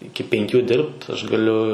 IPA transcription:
ˈɪkʲɪ pʲɛŋʲˈkʲuː ˈdʲɪrpt ˈɐʃ ɡɐˈlʲʊ

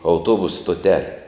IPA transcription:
ɐʊˈtuɔbʊsʊ stoːˈtʲæːlʲɛ

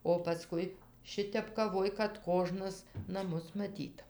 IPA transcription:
oː pɐˈskʊɪ ˈʃʲɪtʲɛp kɐˈʋoːj kɐt ˈkoːʒnɐs nɐˈmʊs mɐˈtʲiːt

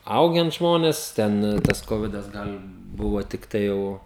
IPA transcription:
ˈɐʊɡʲɛn ˈʒmoːnʲeːs ˈtʲɛn tɐs ˈkoːʋʲɪdɐs ˈɡɐlʲ ˈbʊʋoː tʲɪkˈtɐɪ jɛʊ

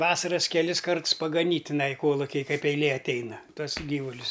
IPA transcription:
ˈʋɑːsɐrɐs kʲɛˈlʲɪs ˈkɐrts pɐɡɐˈnʲiːtʲ tʲɪˈnɐɪ ˈkoːlˠʊkʲɪj ˈkɐɪp ɛɪˈlʲeː ɐtʲˈɛɪnɐ ˈtuɔs ˈɡʲiːʋʊlʲʊs

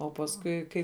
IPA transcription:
oː pɐsˈkʊɪ ˈkɐɪ

